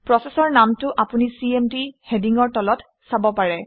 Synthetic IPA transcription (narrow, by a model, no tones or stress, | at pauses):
pɹɔsesɔɹnamtʊʔapunisiemdihediŋɔɹtɔlɔt | sabɔpaɹɛ